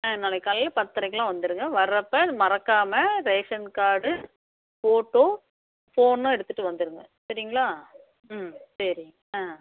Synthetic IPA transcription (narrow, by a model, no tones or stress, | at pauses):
ãnaɭɐkːɐllpɐt̪ːɐɾɐɪkːɐlãːʋɐnd̪ɯɾɯŋɡɐʋɐɾɐpːɐmɐɾɐkːaːmɐɾɛɐkʂɐnkaːɽɯ | foːʈːoː | foːnːũːɛɽɯt̪ːɯʈːɯʋɐnd̪ɯɾɯŋɡɐsɐɾɪŋɡɐɭaː | msɐɾɪ | ãː